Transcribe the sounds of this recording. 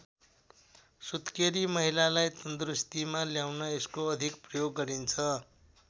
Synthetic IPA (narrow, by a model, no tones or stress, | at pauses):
sut̪keɾimʌɦilalajt̪ʌnd̪rust̪imaljawnʌeskoʌd̪ʱikprʌjoɡːʌɾint͡sʰʌ